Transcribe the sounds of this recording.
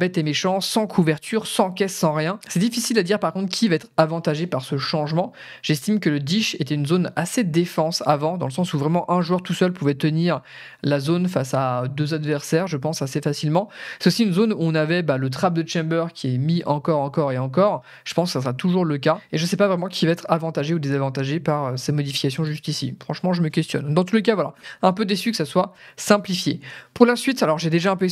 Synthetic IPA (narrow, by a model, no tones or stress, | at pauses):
bɛt̪emeʃɑ̃sɑ̃kʰuvɛʁt̪ʰyʁsɑ̃kʲɛssɑ̃ʁjɛ̃sɛd̪ifisilad̪iʁpaʁkɔ̃t̪χkʰʲivaɛt̪χavɑ̃t̪aʒepaʁsəʃɑ̃ʒmɑ̃ | ʒ̥ɛst̪imkələd̪iʃet̪ɛynzonased̪efɑ̃sa̰vɑ̃d̪ɑ̃ləsɑ̃suvʁɛmɑ̃ʔɛ̃ʒwœʁt̪usœlpuvɛt̪əniʁ | lazonfasad̪øzad̪vɛʁsɛʁʒəpɑ̃sasefasilmɑ̃sɛt̪osiynzonuɔ̃navɛbalət̪χab̚d̪ət͡ʃɛ̃bœʁkʲʰiɛmiʔɑ̃kɔʁɑ̃kɔʁeɑ̃kɔʁ | ʒ̥ə̥pɑ̃skə̥sasəʁat̪uʒuʁləkaeʒəsɛpavʁɛmɑ̃kʲʰivaɛt̪χavɑ̃t̪aʒeud̪ezavɑ̃t̪aʒepaʁøsɛmɔd̪ifi̥kasjɔ̃ʒyst̪isḭfχɑ̃ʃmɑ̃ʒəməkʲɛst̪jɔ̰nd̪ɑ̃t̪ulekavwala̰ɛ̃pød̪esykə̥saswasɛ̃plifjḛpuʁlasɥit̪alɔʁʒed̪eʒaɛ̃pø